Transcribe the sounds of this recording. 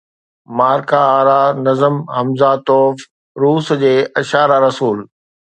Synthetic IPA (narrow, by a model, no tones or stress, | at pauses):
maːɾkaaːɾaːnɐzəmɦɐmzat̪ɔːf | ɾuːsd͡ʑeːʔɐʃaːɾaɾɐsuːl